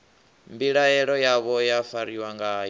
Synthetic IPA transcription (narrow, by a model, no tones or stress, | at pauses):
mbiɺaɛɺɔjaβɔjafaɾiwaŋɡaj